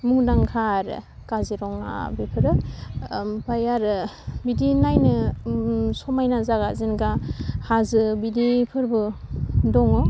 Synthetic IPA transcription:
mudaŋkʰaɾkaziɾɔŋa̰bipʰɯɾɯ | pajaɾbidinajnɯ | sɔmajnazaɡazinɡahazɯbidipʰɯɾbɯdɔŋɔ

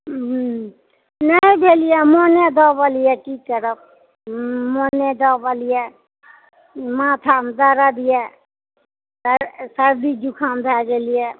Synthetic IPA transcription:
nəibʱelijɛmɔned̪ɔbalijɛʈʰikːəɾəp̚ | mɔned̪ɔbalijɛ | mãt̪ʰamd̪aɾad̪ijɛ | səɾsəɾd̪id͡ʒukʰambʱɛd͡ʒelijɛ

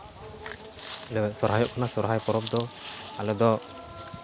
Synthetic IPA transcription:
lɛbɛsɔɾɦajɔʔkʰɔnasɔɾɦajpɔɾɔb̚d̪ɔalɛd̪ɔ

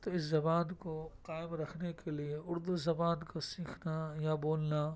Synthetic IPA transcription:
t̪oɪszɐbaːnkoqaːɪmɾɐkʰnekelieʊɾd̪uzɐbaːnkosiːkʰnajaboːlna

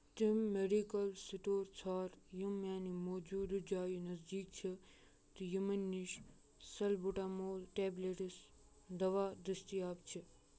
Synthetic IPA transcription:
t̪imːeɖikəlsiʈoːɾt͡sʰaːɾjumːjaːnimoːd͡ʒuːd̪d͡ʒaːjinɐzd͡ʒiːk̚t͡ʃʰe | t̪ijumenːiʃ | sɐlbuʈaːmoːlʈeːbleʈis | d̪ɐʋaːd̪ɾɪst̪iaːpt͡ʃʰe

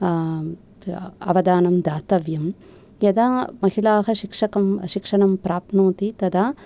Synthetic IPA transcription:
ɐ̰ʋɐd̪aːnɐmd̪aːt̪ɐʋjɐm | jɐd̪aːmɐɦiɭaːɦɐʃikʂɐkɐmʃikʂɐɳɐmpɾaːpnuːt̪it̪ɐd̪aː

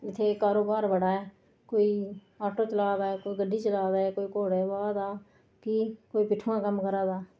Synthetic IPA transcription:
ɪt̪ʰːeːkaːɾoːbaːɾbəɽaːɛː | koːiː | aːʈoːt͡ʃəlaːd̪aːɛːkoːiːɡəɖiːt͡ʃəlaːd̪aːɛːkoːiːkoːɽeːbaːd̪aː | kikoːiːpɪʈʰːuãːkəmkəɾaːd̪aː

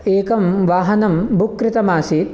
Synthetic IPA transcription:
eːkɐmʋaːɦɐnɐmbʱukːɾɪt̪ɐmaːsit̪

